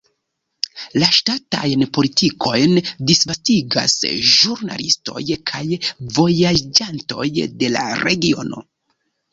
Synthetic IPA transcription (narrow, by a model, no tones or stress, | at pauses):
laʃtata̰jnpo̞litiko̞jndisvastiɡa̰sʒuɾna̰listo̞̰jkʰajvo̞jad͡ʒanto̞̰jde̞la̰ɾe̞ɡio̞no̞̰